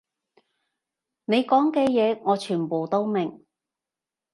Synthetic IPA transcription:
ne˨˧jkɔː˨˥ŋkɛː˧jɛː˨˧ŋɔː˨˧t͡ʃʰyː˨˩npoː˨wt̪o˥wmɪ˨ŋ

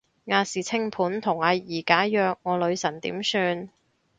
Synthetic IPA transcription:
ŋaː˨˧siː˨˩t͡sʰɪ˥ŋpʰuː˨˥nt̪ʰʊ˨˩ŋaː˨˧jiː˨˩kaː˨˥jœː˨˧k̚ŋɔː˨˧lɵ˨˧ɥsɐ˨˩nt̪ḭː˨˥msyː˧n

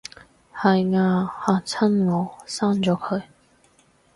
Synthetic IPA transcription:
hɐ˨jŋaː˧haː˨˩t͡sʰɐ˥nlɔː˨˥saː˥˩ŋt͡sɔː˨˧˥kʰɵ˨˧ɥ

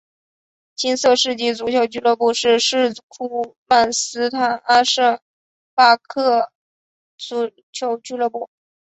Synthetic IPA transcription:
t͡ɕʰi˥nsɤ˥˧ʂɻ̩˥˧t͡ɕi˥˩t͡su˧˥t͡ɕʰjo˧˥ʊt͡ɕy˥˧lɤ˥˧pu˥˧ʂɻ̩˥˧ʂɻ̩˥˧kʰu˥˩ma˥˩nsɹ̩˥t̪ʰa˨˩na˥ʂə˥˩ŋ | pa˥˧kʰɤ˥˩ | t͡su˧˥ | t͡ɕʰjo˧˥ʊt͡ɕy˥lɤ˥˧pu˥˩

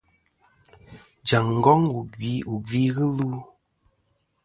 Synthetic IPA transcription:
d͡ʒa˨ŋŋ̩˨ɡɔ˦ŋu˨ɡwi˨˦u˨ɡi˦ɣɨ˦lu˦

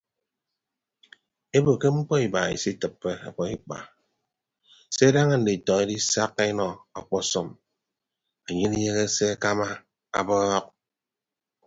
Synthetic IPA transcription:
e˦bo˨ke˦ŋ͡m̩˦k͡pɔ˦i˨ba˨ḭ˨si˦tɨ˨pːe˦a̰˨k͡pɔ˦i˦k͡pa̰˨ | se˦da˦ŋa˦n̩˨di˨tɔ˨ŋe˦di˦sa˦kːe˦nɔ˨ɔ̰˨k͡pɔ˦sɔ˦m | a˨ɲe˦ni˦je˦ɣe˦se˦a˦ka˦ma˦ | a̰˨bɔ˦ɔ˦k̚

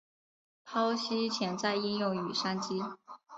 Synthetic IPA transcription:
pʰɑ˥ʊɕi˥t͡ɕʰjɛ˧˥nt͡sa˥˧ɪi˥˧ŋjo˥˩ŋy˨˩ʂa˥nt͡ɕi˥

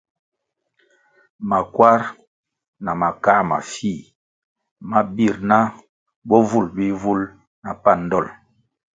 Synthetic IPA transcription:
ma˨kwa˦ɾ | na˨ma˨ka˦ma̰˨fi˦˨ | ma˦bi˦˨ɾna˦ | bɔ˦vu˦˨lbi˦vu˦l | na˨pa˦˨n˦dɔ˦˨l

